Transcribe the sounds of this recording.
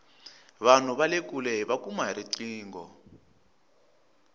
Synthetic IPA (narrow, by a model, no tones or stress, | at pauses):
βan̤uβalek̬ʼulɛβakumaɾiǀiːŋɡɔ̰